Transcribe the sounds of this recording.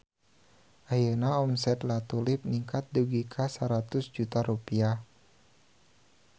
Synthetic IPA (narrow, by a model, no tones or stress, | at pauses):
ʔajənaɔmsɛt̪lat̪ulɪp̚niŋkʰat̪̚duɡikʰasaɾat̪ʊsd͡ʒut̪aɾupia